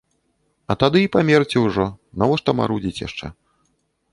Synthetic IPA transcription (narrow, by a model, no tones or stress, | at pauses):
ɐt̪ad̪ɨipamʲert͡sʲɛwʐɔnavɔʂt̪ɐma̰ɾud͡zʲit͡sʲja̰ʂt͡ʂɛ̰